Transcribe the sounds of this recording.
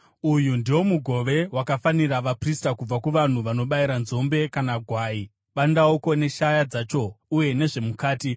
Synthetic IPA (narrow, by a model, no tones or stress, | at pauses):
ujundiwo̞muɡʱo̞ʋe̞wakafaniraʋapristakub͡vakuʋan̤uʋano̞ɓaiɾanzo̞mbe̞kanaɡʱwaːi | ɓandaoko̞ne̞ʃajad͡zat͡ʃo̞uje̞ne̞ʐe̞mukaːti